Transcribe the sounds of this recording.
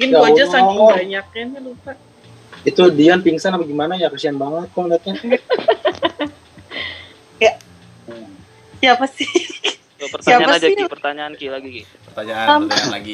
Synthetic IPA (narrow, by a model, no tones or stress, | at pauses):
kɪnɡauaud͡ʒansaŋŋbaɲak̚ɪnlupaʔ | it̪udianpiŋsanapaɡimanajakəsianbaŋət̪̚kɔŋnat̪a | ɡaʔ | siapasɪ | pərtsaiaɲapanad͡ʒapərt̪aɲaːnkilaɡiki | pərt̪aɲaamɡ